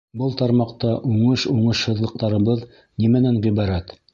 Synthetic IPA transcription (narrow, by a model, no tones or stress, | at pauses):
bɤlˠt̪ɑɾmɑqt̪ɑʔuɴɤʃuɴɤʃhɤ̆ðlˠɤ̆q̚t̪ɑɾɤ̆βɤð | nimænænʁiβɑɾæt̪